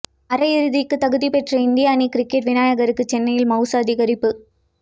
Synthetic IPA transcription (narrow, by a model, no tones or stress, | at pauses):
ɐɾɐjɪɾɯðɪkːɯt̪ɐɣɯðipɛʈrɐɪnd̪ɪjaːnikɪɾɪkːɛʈʋɪnaːjɐɣɐɾɯkːɯt͡ʃɛnːɐjɪlmɐʊsaːðiɣɐɾɪpːɯ